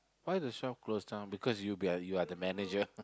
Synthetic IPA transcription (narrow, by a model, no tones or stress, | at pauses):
wajtuʃɔp̚klostãnbikʰɔsjubiajuadəmɛned͡ʒə